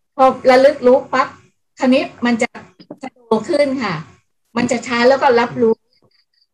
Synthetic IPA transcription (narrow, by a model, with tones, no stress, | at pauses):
pʰɔː˧ɾa˧lɯ˦˥k̚lu˦˥k̚pa˦˥k̚ | t̪ʰa˧ni˦˥t̪̚ma˧nt͡ɕa˨˩t̪ʰa˧doː˧kʰɯ˥˩nkʰa˥˩ | ma˧nt͡ɕa˨˩t͡ɕʰaː˦˥lɛː˦˥wkɔː˥˩la˦˥p̚luː˦˥